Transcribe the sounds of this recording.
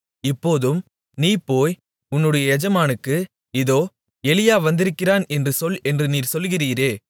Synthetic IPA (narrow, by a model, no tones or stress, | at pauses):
ɪpːoːðɯm | niːpːoːj | ʊnːɯɽɐjɐɛd͡ʒɐmaːnɯkːɯ | ɪðoː | ɛlɪjaːʋɐnd̪ɪɾɯkːɪraːnɛndrɯsɔlɛndrɯniːɾsɔlɣɪriːɾeː